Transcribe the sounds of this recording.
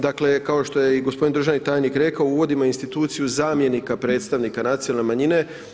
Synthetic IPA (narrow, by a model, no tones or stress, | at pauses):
d̪akle̞kao̞ʃt̪o̞jeiɡo̞spd̪ind̪ɾuʒanit̪aːjnikɾe̞kaouʋo̞d̪imainst̪it̪uːt̪sijuzaːmje̞nikapɾe̞t̪st̪aʋnikanat̪sijonalne̞maɲine̞